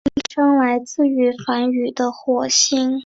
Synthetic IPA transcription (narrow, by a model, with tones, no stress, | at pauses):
ʈ͡ʂʰɤ˥ŋla˧˥ɪt͡sɹ̩˥˩y˧˥fa˧˥ny˨˩d̪ə˦xwɔ˨˩ɕi˥ŋ